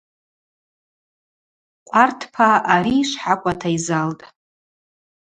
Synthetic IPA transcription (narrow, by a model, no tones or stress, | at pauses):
qʷʼartʰpʰaaɾiːʂʷħakʷʼatʰaizaltʼ